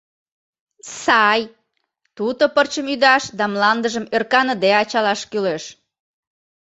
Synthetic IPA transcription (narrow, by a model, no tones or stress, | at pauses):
sɑj | t̪ud̪opərt͡ɕəmyd̪ɑʃd̪ɑmlɑnd̪əʒəmørkɑnəd̪eɑt͡ɕɑlɑʃkyleʃ